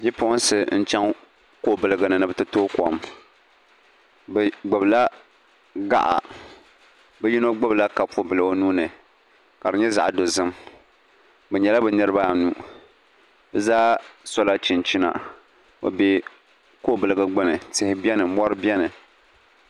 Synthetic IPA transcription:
bi˦pʊ˦ʔʊ˦n˦sɨ˨n̩˦t͡ʃɛ˦ŋ | ko˦˨bɨ˨lɨ˦ɡa˨nɨ˨nɨ˨bɨ˨˦tɨ˦toː˦kɔ̰˨m | bɛ˨ɡ͡bɨ˨bla˦ | ɡa̰˦ʔa̰˨ | bɛ˦ji˦no˦ɡ͡bɨ˦bla˦ka˨fo˦bɨ˨lɨ˨o˦nuː˦nɨ˨ | ka˨dɨ˨ɲɛ˦za̰˨ʔdo˨zɨ˦m | bɛ˨ɲɛ˨la˦bɛ˨nɨ˦ɾɨ˦ba˦˨nu˦ | bɨ˨zaː˦sɔ˦la˦t͡ʃi˨nt͡ʃi˦na̰˨ | o̰˨bɛ˦ | koː˦bɨ˨lɨ˨ɡɨ˨ɡ͡bɨ˦nɨ˨tɪ˦hɪ˦bi˦ɛ˦nɨ˨˦mɔ˦ɾɨ˦bjɛ˦nɨ˨

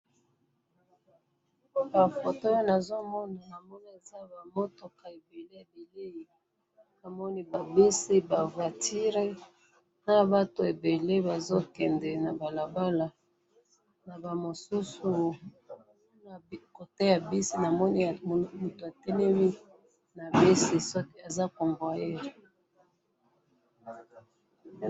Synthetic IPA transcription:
ba˨fo˨to˦o˦na˨zo˦mɔ˦na˨na˨mɔ˦ni˦e˨za˦˨ba˨mo˦to˨ka˨e˨be˨le˦ja˨be˨le˦i˨ | na˨mɔ˦ni˦ba˨bi˦si˦ba˨vwa˨ti˦ʁe˦ | na˦ba˦to˨e˨be˨le˦ba˨zo˦kɛ˨ndɛ˨na˨ba˨la˨ba˦la˨ | na˨ba˨mo˨su˦su˨˦ | na˨˦ko˨te˦ja˨bi˦si˦na˨mɔ˦ni˦˨mu˨to˨a˨tɛ˦nɛ˦mi˦ | na˨be˦si˨sɔ˦ke˦a˨za˦ko˨ɱbwa˨jɛ˦ʁ

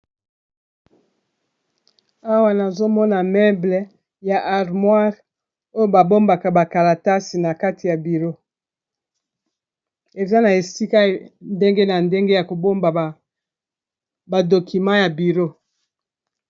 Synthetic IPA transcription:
a˦wa˦na˨zo˦mɔ˦na˨mɛ˦ble˨ | ja˨ʔa˨ʁmwa˦ʁ | o˦jo˦ba˨bo˦mba˨ka˨ba˨ka˨la˨ta˦si˨na˨ka˦ti˨ja˨bi˨ʁo˦ | e˨za˦na˨e˨si˦ka˦nde˦ŋɡe˦na˨nde˦ŋɡe˦ja˨ko˨bo˦mba˨ | ba˨do˨ki˨mã˦ja˨bi˨ʁo˦

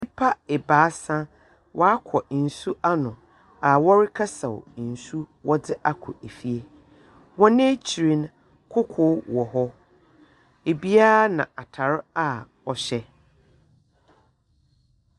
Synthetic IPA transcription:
ɪ˦pʰa˦ɛ˨baː˨˦sã˦ | wʔɔ˦a˦kʰɔ˨n̩˨su˦ʔa˦nʊ̃˨ | a˨wɔ˦ɾɪ˦kʰa˦sa˨wn̩˨su˦wʔɔ˦dɪ˦ʔa˦kʰʊ˨e˨fi˦e˦ | wɔ̃˦nɪ̃˦t͡ɕʰi˨ɾĩ˦n | kʰʊ˦kʰʊ˦wɔ˨ɦɔ˦ | e˨bi˦a˦a˦nã˨a˨tʰa˨ɾɪ˦a˦˨ | ɔ˨ɕɛ˦

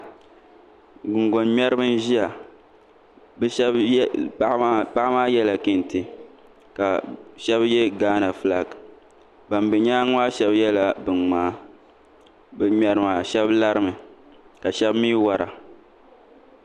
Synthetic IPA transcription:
ɡʊ˨ŋɡo˨nmɛ˦ɾɨ˦bɨ˦n˦ʒi˦ja˨ | bb | pa˦ʔmaː˦jɛ˦la˨ki˦n˨tɨ˨ | ka˨ʃɛ˦bjɛ˦ɡaː˦na˨fɨ˨la˨ɡ | ba˨mbɛ˨ɲaː˦ŋa˦ʃɛ˦bjɛ˦la˨bɨ˨ŋŋ͡maː˨˦ | bɛ˨mɛ˨ɾɨ˨ma˨ʃɛ˦bla˦ɾɨ˦mɨ˨ | ka˨ʃɛ˦bmiː˦wa˨ɾa̰˨

